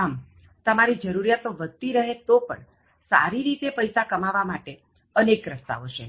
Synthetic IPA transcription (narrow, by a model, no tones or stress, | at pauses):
am | t̪əmaɾid͡ʒəɾuɾijat̪oʋəd̪̚t̪iɾəɦet̪opə̰ɳ | sa̰ɾiɾit̪epəjsakəmaʋamaʈe | ənekɾəst̪a̰oʃʰe